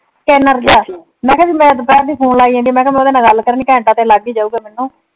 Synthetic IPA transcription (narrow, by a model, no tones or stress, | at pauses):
kɛːnəɾd͡ʒaː | mɛ̃ːkʰɛːsiːmɛ̃ːpɛːɾd̪iːpʰuːnlaːiːãnd̪iːmɛ̃ːkʰɛːmɛ̃ʊd̪aːnãːɡəlkəɾniːkɛ̃ːɳʈãːt̪ẽːlaɡiːd͡ʒaːuːɡɛːmɛːnːũː